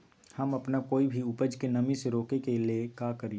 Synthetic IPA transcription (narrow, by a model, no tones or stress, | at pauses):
hɐmɐpnakoːibʱiʊpəd͡ʒkenɐmĩseɾoːkekeliekaːkɐɾi